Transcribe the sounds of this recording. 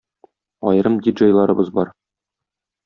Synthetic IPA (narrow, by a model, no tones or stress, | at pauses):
ɒ̰jɾɤmd̪ʲiʒəjlˠɑɾɤ̆bɤzbɒ̰ɾ